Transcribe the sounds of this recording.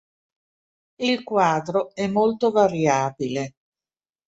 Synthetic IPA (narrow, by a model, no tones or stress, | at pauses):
ilkwaːd̪ɾoɛmːolt̪ovaɾjaːbile